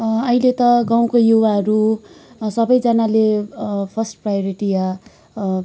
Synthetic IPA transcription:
ʌɦilet̪ʌɡaw̃kojuwaɦʌɾu | sʌbʌjd͡zʌnalepʰʌsʈprajoɾiʈija

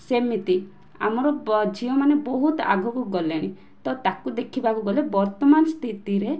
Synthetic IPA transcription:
semit̪i | a̰mɔɾɔd͡ʒʱiɔmanebɔɦut̪a̰ɡʱɔkuɡɔleɽ̃i | t̪ɔt̪akud̪ekʰibakuɡɔlebɔɾt̪ɔmanɔst̪ʰit̪iɾe

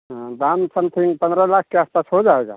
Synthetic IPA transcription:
ɦd̪amsəmt̪ʰiŋɡpənd̪ɾəlak̚ʰkːeaːspasɦod͡ʒaeɡa̰

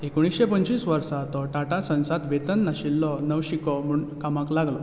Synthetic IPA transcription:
ekoɽ̃isɕepəɲt͡ɕiːsʋəɾsat̪ɔʈaʈasə̃ñsat̪ʋet̪ənːaɕilːɔnəʋɕikɔm̤uɳkamaklaɡlɔ

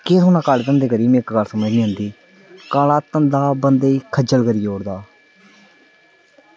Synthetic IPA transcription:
keːsoːnãːkaɖd̪ənd̪eːkəɾiːmɪkɡəɾsəməd͡ʒniːɦʊ̃nd̪iː | kaːlaːt̪ənd̪aːbənd̪eːiːkʰəd͡ʒəlkəɾiːoːɽd̪aː

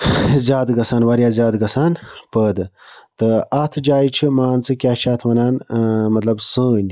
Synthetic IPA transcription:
zʲjaːd̪ɡɐsaːnwaɾjaːzʲjaːd̪ɡɐsaːnpəːd̪ɨ | t̪ɨat̪ʰɨd͡ʒaːit͡ʃʰimaːnt͡sɨkʲaːt͡ʃʰaːt̪ʰʋɐnaːnmɐt̪lɐbsəːnʲ

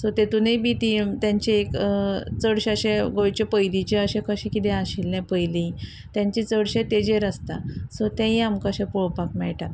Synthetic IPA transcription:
sɔt̪et̪unejbit̪it̪jãɲt͡ɕeekt͡səɽɕaɕẽɡoɭt͡ɕepəjd̪it͡ɕeəɕẽkəɕĩkit̪ẽaɕilnɛ̃pəjlĩ | t̪jãɲt͡ɕit͡səɽɕẽt̪ed͡ʑeɾəst̪asot̪ɛ̃ĩamkəɕẽpɔɭpakmɛɭʈa

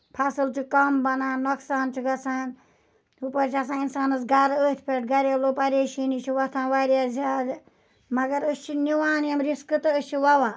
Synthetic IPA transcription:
pʰasɨlt͡ʃʰikɐmbɐnãːnoksaːnt͡ʃʰiɡɐsaːn | upɐɾt͡ʃʰiɐs̬ãːinsaːnɐsɡɐɾəːt̪ʰpʰeʈ̚ɡɐɾelopɐɾeːʃiːnit͡ʃʰiʋɐt̪ʰãːnʋaɾjaːzaːd̪ | mɐɡɐɾəst͡ʃʰiniʋaːnjɐmɾiskɨt̪ɨəsʲt͡ʃʰiʋɐwãː

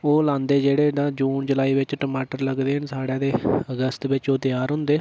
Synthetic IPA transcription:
oːlãːnd̪eːd͡ʒeːɽeːd̪ãːd͡ʒuːnd͡ʒəlaːiːʋɪt͡ʃʈəmaːʈəɾləɡd̪eːɦənsaːɽãːd̪eːəɡəst̪ʋɪt͡ʃoːt̪ɪjaːɾɦʊ̃nd̪eː

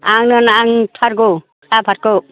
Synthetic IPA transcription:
aŋnɯnaŋtʰaɾɡo | kʰapʰat̚kɔ

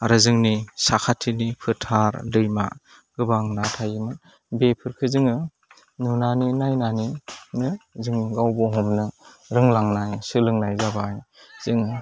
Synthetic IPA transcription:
aɾɯzɯŋnisakʰatʰinipʰɯɾtʰaɾlɯjma̰ | ɡ̥ɯbaŋnatʰajɯmɯn | bepʰɯɾkʰɯzɯŋɯ | nunaninajnaninɯzɯŋniɡawbɔɦɔmnɯ | ɾɯŋlaŋnajsɯlɯŋnajzabajz̥ɯŋɯ

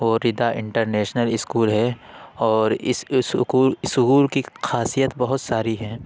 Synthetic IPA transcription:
ʋoːɾɪd̪aʔɪ̰̃ɳʈəɾnɛːʃnəlɪskuːlɦɛɔːɾɪssʊkuːsʊɣuːlkixʰaːsijət̪bɐɦʊt̪saːɾiɦɛ̃ː

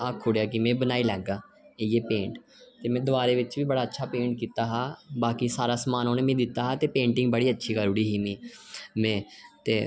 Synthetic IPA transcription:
aːkʰːʊɽejaːkɪmẽːbənaːiːlɛːɡaː | eieːpẽːɳʈ | t̪eːmɛ̃ːd̪ʊaːɾeːʋɪt͡ʃʋiːbəɽaːətːʃʰaːpẽːɳʈ̚kiːt̪aːɦaːbaːkiːsaːɾaːsmaːnoːneːmẽːd̪ɪt̪ːaːɦaːt̪eːpẽːɳʈɪ̃ŋɡbəɽiːətːʃʰiːkəɾʊːɽiːɦiːmĩːmɛ̃ːt̪eː

